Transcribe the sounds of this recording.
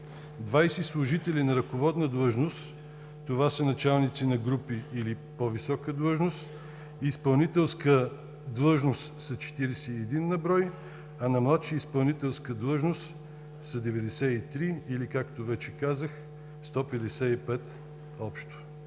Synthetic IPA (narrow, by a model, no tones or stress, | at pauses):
d̪vajsɛslˠʊʒit̪ɛlinɐɾɐkovɔd̪nəd̪lˠɤʒnost̪ | t̪ovasənɐt͡ʃalˠnit̪sinɐɡɾupiilipovisɔkəd̪lˠɤʒnost̪ | iːspɐlˠnit̪ɛlˠskə | d̪lˠɤʒnost̪sɐt͡ʃɛ̥t̪iɾɛsɛiɛd̪inːɐbɾɔj | ɐnɐmlˠat̪ʃiispɐlˠnit̪ɛlˠskəd̪lˠɤʒnost̪ | sɐd̪ɛvɛd̪ɛsɛit̪ɾiilikakt̪ovɛt͡ʃɛkazəx | st̪ɔpɛd̪ɛsɛipɛt̪ | ɔpʃt̪o̥